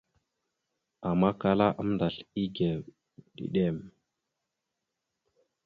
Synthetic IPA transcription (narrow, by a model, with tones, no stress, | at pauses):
a˨ma˦ka˦la˦ʔa˦m˦nda˨ɬi˦ɡe˨ | ɗḭ˨ɗe˦˨m